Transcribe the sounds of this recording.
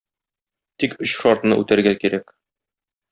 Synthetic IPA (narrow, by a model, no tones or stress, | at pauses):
t̪ikɵɕʃɒɾt̪nɤ̰ʔʉ̰t̪æɾɡækiɾæk